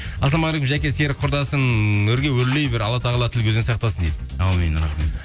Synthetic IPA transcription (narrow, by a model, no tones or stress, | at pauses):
ɑslˠɑmɑʁɾekəmʒækʲe̞seɾqʰʊɾd̪ɑsənɵɾɡʲe̞wɵɾlejbɪɾɑlˠɑt̪ʰɑʁəlˠɑt̪ʰɪlkʲʰɵzensɑq̚t̪ɑsənd̪ed̪ɪɑwmenɾɑχmet̪